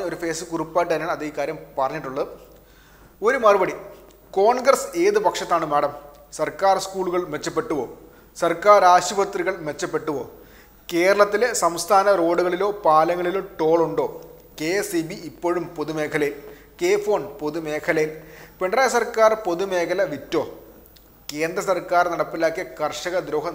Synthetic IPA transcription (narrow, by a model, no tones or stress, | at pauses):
ɐo̞ɾufe̞ːsɨkurupːaːjiʈ̬ːɨðɐnejaːɭɐðikːaːɾjɐmpɐrɐɲːiʈːuɭːɐðɨ | o̞ɾumɐrɨbɐɽi | ko̞ːɳɡrɐse̞ːðɨpɐkʂɐt̪ːaːɳɨmeːɽɐm | sɐrkaːrskuːɭuɣɐɭmʋet͡ɕːɐpːe̞ʈːuʋo̞̰ː | sɐrkaːraːɕubɐt̪riɣɐɭme̞t͡ɕːɐpːe̞ʈːuʋo̞̰ː | ke̞ːɾɐɭɐt̪ːilesɐmst̪ʰaːnɐro̞ːɽuɣɐɭilo̞ːpaːlɐŋːɐɭilumʈo̞ːɭuɳɖo̞ː | keesibiːpːo̞ːɻumpo̞ðume̞ːkʰɐlɐjil | ke̞ːfo̞ːɳpoðume̞ːkʰɐlɐjilpeɳɖraːjɐsɐrkaːrpo̞ðume̞ːkʰɐlɐʋitːo̞ː | ke̞ːnd̪ɾrɐsɐrkaːrnɐɽɐpːilaːkːiɐkɐrʂɐɣɐd̪ɾo̞ːɦɐ